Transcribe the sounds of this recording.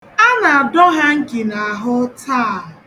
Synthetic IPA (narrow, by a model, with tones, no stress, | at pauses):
a˦na˨a˨dɔ˦ɦa˦ŋ̩˦kɪ˨na˨a˨ɦʊ˦taː˦˨